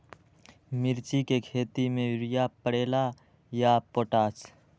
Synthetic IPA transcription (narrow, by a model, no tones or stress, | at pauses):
mɪɾt͡ʃikekʰeːt̪imẽʊɾɪjapəɽeːla | japoːʈaːs